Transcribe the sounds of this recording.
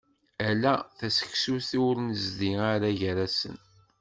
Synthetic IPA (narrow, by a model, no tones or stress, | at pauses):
ælːæθæsə̥ksuθiwɾnzðiaɾaʝəɾæsə̰n